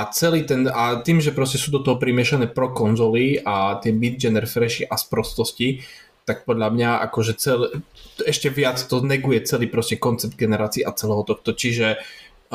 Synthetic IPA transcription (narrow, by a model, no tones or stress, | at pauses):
ʔat͡sɛliːt̪ɛnat̪iːmʒɛpɾɔscɛsuːd̪ɔt̪ɔɦɔpɾimɪɛʃanɛːpɾɔkɔnzɔliat̪ɪɛbid̪d͡ʒɛnɛɾfɾɛʃiʔaspɾɔst̪ɔsci | t̪ak̚pɔd̪ʎamɲaʔa̰kɔʒɛt͡sɛlɛʃcɛʋɪat͡st̪ɔnɛɡujɛt͡sɛliːpɾɔscɛkɔnt͡sɛb̚d̪̚ɡɛnɛɾaːt͡siːʔat͡sɛlɛɦɔt̪ɔxt̪ɔt͡ʃiʒɛ